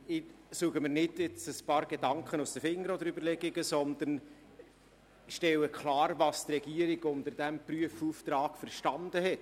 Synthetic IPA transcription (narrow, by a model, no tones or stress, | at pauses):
ɪsuəɡ̥əmɪːɾnɪdjɪt͡səspɑːɾɡ̥edɑŋkχənusd̥̪əfɪŋːəɾɔd̪əɾybəɾlɛɡiɡəsɔnd̪ən | ʃtɛləkʰlɑːɾvɑstrɛɡ̥iːəɾiɡʊnt̪əd̥æmpryəfuːft̪ɾɑːɡ̥fəɾʃtɑnd̪əɦɛt